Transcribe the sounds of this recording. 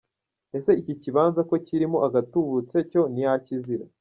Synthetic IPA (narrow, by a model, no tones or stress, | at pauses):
e̞se̞iciciβaːnzako̞ciɾimo̞ʔaɡatuβut͡se̞co̞nijaciziɾa